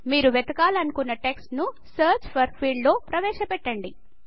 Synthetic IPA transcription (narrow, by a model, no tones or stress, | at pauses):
miːɾuʋɛt̪ɐkaːlɐnukunːɐʈeksʈnu | sɐːɾt͡ʃpʰɐɾpʰiːɖlo̞ːpɾɐʋɛːʃɐpɛʈːɐɳɖi